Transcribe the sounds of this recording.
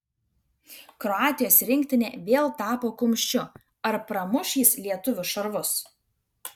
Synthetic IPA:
kɾɔɑːt̪ʲɪjoːsɾʲɪŋʲkʲt̪ʲɪnʲeːʋʲeːlˠt̪ɑːpoːkʊmʲʃʲt͡ʃʲʊ | ɐɾpɾɐmʊʃʲiːslʲiɛt̪ʊʋʲʊʃɐɾʋʊs

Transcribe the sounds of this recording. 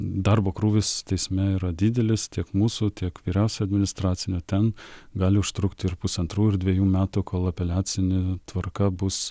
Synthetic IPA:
d̪ɑɾboːkɾuːʋʲɪst̪ʲɛɪsʲmʲɛiːɾɐd̪ʲɪd̪ʲɛlʲɪst̪ʲiɛkmuːsuːt̪ʲiɛkʋʲiːɾʲɛʊsʲʊɐd̪ʲmʲɪnʲɪst̪ɾɑːt̪sʲɪnʲʊt̪ʲɛnɡɑːlʲɪʊʃt̪ɾʊkt̪ʲɪɾpʊsɐnt̪ɾuːɪɾd̪ʲʋʲɛjuːmʲæːt̪ukʰoːlˠɐpʲɛlʲæːt͡s̪ʲɪnʲɪt̪ʋɐrkɐbʊs

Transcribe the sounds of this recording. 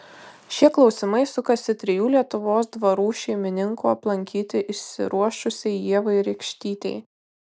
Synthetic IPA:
ʃʲiɛklˠɒʊsʲɪmɐɪsʊkɐsʲɪt̪ʲɾʲɪjuːlʲiɛt̪ʊʋoːsd̪ʋɐɾuːʃʲɛɪmʲɪnʲɪŋkuːɐplˠɐŋʲkʲiːt̪ʲɪʔɪʃʲsʲɪ̰ɾuɔʃʊsʲɛɪjiɛʋɐɪɾʲɛɪkʃʲt̪ʲiːt̪ʲɛ̰ɪ

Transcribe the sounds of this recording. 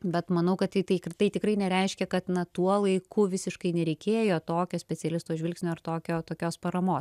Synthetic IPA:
bʲɛt̪mɐnɐʊkɐttɐɪt̪ɐɪkt̪ɐɪt̪ʲɪkrɐɪnʲɛɾʲɛɪʃʲkʲɛkɐt̪nɐt̪uɔlˠɐɪkʊʋʲɪsʲɪʃkɐɪnʲɛɾʲɛɪkʲeːjoːt̪oːkʲoːsʲpʲɛt͡sʲɛlʲɪst̪oːʒʲʋʲɪlʲksʲnʲoːɐrt̪oːkʲoːt̪oːkʲoːspɐɾɐmoː

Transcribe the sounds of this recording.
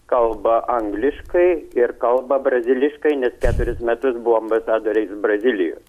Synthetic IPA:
kɐlˠbɐʔɐŋɡlʲɪʃkɐɪɪɾkɐlˠbɐbɾɐzʲɪlʲɪʃkɐɪnʲɛskʲæːt̪ʊɾʲɪsmʲɛt̪ʊsbʊʋoːɐmbɐsɑːd̪oːɾʲɛɪsbrɐzʲɪlʲɪjo̰ː

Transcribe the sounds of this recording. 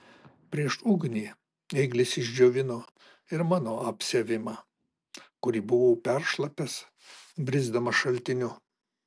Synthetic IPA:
pʲɾʲiɛʃʊɡnʲiː | ɛɪɡlʲɪsɪʒʲd͡ʒʲoːʋʲɪnoː | ɪɾmɑːnoːɐpʲsʲeʋʲɪmɑː | kʊɾʲiːbʊʋopʲɛɾʃlˠɐpʲɛs | bʲɾʲɪzd̪ɐmɐʃɐlʲt̪ʲɪnʲʊ

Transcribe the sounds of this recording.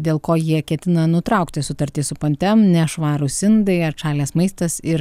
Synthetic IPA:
d̪ʲeːlˠkoːjiɛkʲɛt̪ʲɪnɐnʊt̪ɾɐˑʊkt̪ʲɪsʊt̪ɐɾʲt̪ʲiːsʊpɐnʲt̪ʲɛmnʲɛʃʋɑːɾʊsʲɪnd̪ɐɪɐɾt͡ʃɑːlʲeːsmɐɪst̪ɐsɪɾ

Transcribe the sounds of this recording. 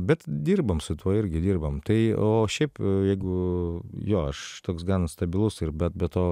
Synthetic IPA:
bʲɛt̪d̪ʲiːrbɐmsʊt̪uɔɪɾʲɡʲɪd̪ʲiːrbɐmt̪ɐɪoːʃʲɛɪpjɛɪɡʊ | joːɐʃt̪oːksɡɑːnɐst̪ɐbʲɪlˠʊsɪɾbʲɛt̪̚bʲɛt̪oː

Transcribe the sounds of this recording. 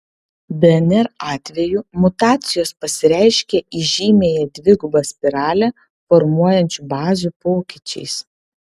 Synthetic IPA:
bʲɛɛnʲɛɾɑːt̪ʲʋʲɛjumʊt̪ɑːt̪sʲɪjoːspɐsʲɪɾʲæɪʃʲkʲeʔiʒʲiːmʲeːjɛd̪ʲʋʲɪɡʊbɐsʲpʲɪɾɑːlʲɛ | fɔɾmuɔjɛnʲt͡ʃʲubɑːzʲupoːkʲɪt͡ʃʲɛ̰ɪs

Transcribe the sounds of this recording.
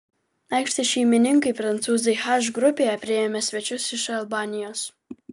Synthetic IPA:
ɐɪkʃʲt̪ʲɪʃʲɛmʲɪnʲɪŋkɐɪpɾɐnt̪suːzɐɪxaʒɡɾʊpʲeːjɛpʲɾʲɪɛmʲɛsʲʋʲɛt͡ʃʲʊsɪʃɐlˠbɑːnʲɪjoːs

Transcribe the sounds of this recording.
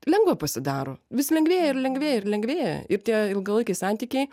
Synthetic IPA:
lʲɛŋɡʋɐpɐsʲɪd̪ɑːɾoːʋʲɪsʲlʲɛŋɡʋʲeːjɛɪrlʲɛŋɡʲʋʲeːjɛɪrlʲɛŋɡʋʲeːjɛ̰ɪrt̪ʲiɛɪlˠɡɐlˠɐɪkʲɛɪsɑnʲt̪ʲiːkʲɛɪ

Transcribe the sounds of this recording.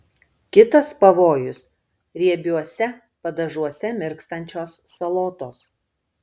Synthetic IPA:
kʲɪt̪ɐspɐʋoːjʊs | ɾʲiɛbʲuɔsʲɛ | pɐd̪ɐʒuɔsʲɛmʲɪɾkst̪ɐnʲt͡ʃʲoːsːɐlˠoːt̪oːs

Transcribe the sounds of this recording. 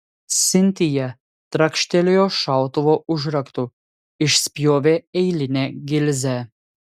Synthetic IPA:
sɪnt̪ija | t̪ɾakʃt̪ɛlʲijɔʃawt̪ɔʋɔʔuʒɾɐkt̪u | iʃspjoːʋɛɛjlʲinɛɡilzɛ

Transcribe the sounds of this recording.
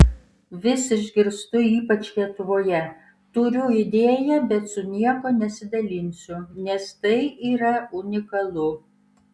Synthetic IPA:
ʋʲɪsʲɪʒʲɡʲɪɾst̪ʊiːpɐt͡ʃlʲiɛt̪ʊʋoːjɛ | t̪ʊɾʲʊɪd̪ʲeːjɛbʲɛt̪sʊnʲiɛkoːnʲɛsʲɪd̪ɐlʲɪnʲsʲʊnʲɛst̪ɐɪʔiːɾɐʊnʲɪkɐlˠʊ

